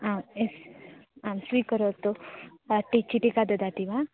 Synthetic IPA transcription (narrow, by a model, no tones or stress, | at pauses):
amesamswikəɾot̪oaʈːit͡ʃiʈikad̪əd̪at̪iba